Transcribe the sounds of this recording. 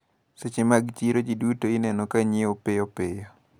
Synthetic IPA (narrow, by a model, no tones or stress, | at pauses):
set͡ʃemaɡt͡ʃiɾod͡ʒidutoɪnɛnɔkaɲiopejopejo